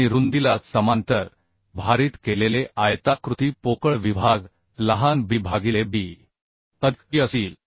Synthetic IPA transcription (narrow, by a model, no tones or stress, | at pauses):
iɾund̪ilat̪səmant̪əɾ | bʱaɾiːt̪keleleʔajt̪akɾut̪iːpokəɭʋibʱaɡ | ləɦanbibʱaɡilebiː | t̪əd̪iəsiːl